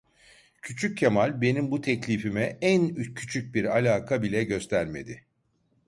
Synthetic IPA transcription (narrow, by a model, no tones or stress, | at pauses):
cʰyt͡ʃʰyc̚ʰːemalʲbe̞nimbut̪ʰɛclʲifimɛænycʰyt͡ʃʰyc̚biɾalʲaːkʰabilʲɛɟø̞st̪ʰæɾme̞̰d̪ɪ